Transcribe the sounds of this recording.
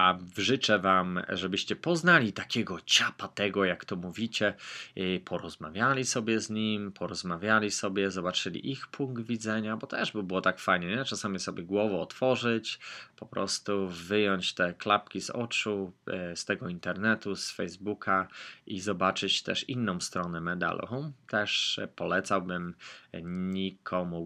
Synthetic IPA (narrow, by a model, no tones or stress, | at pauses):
ʔavʐɘt͡ʂɛvamʐɛbɘɕt͡ɕɛpɔznalʲit̪akʲɛɡɔt͡ɕapat̪ɛɡɔjakt̪ɔmuvʲit͡ɕɛ | pʰɔɾɔzmavʲjalʲisɔbʲjɛzɲimpʰɔɾɔzmavʲjalʲisɔbʲjɛzɔbat͡ʂɘlʲḭʔixpʰuŋkɡd̪vʲid̪zɛɲabɔt̪ɛʐbbɘwɔt̪akfajɲɛɲɛt͡ʂasamʲisɔbʲjɛɡwɔvɔːt̪fɔʐɘt͡ɕpɔpɾɔ̰st̪uvɘjɔɲt͡ɕt̪ɛklapkʲizɔ̰t͡ʂust̪ɛɡɔint̪ɛɾnɛt̪usfɛjzbukʰaizɔbat͡ʂɘt͡ɕt̪ɛ̰ʂinːɔ̃w̃st̪ɾɔnɛmɛd̪a̰lʔɔ̰̃t̪ɛʂpɔlɛt̪sawbɘmɲɲikʰɔmu